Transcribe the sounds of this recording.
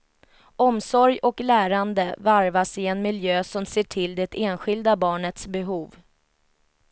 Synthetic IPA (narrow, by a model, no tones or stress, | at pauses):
ɔmsɔɾjɔklæːɾand̪əvaɾvasɪɛnmɪljøːsɔmseːʈʰɪld̪ɛt̪eːnɧɪld̪abɑːɳət̪sbɛɦuːv